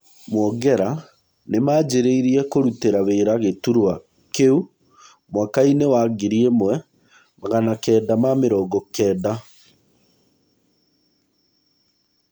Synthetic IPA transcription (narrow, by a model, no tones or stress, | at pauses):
mwɔɡɛɾa | nemaːd͡ʑeɾeiɾiɛkoɾuteɾaβeːɾaɣetuɾwa | keu | mwakainewaɡiɾiemwɛ | maɣanakɛːdamameɾɔːɡɔkɛːda